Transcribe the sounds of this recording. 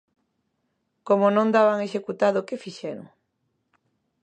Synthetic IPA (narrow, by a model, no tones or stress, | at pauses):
komonõnd̪aβaŋeʃekut̪aðʊkɪfiʃɛɾo̰ʊ̰ŋ